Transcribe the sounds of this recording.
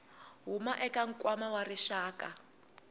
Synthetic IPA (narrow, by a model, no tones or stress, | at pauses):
ɦumaʔɛkaŋ̩kʼwamawariʃaːka